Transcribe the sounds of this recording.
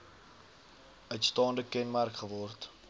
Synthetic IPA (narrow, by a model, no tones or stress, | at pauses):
œɥtstɑːndəkɛnmærkχəvɔrt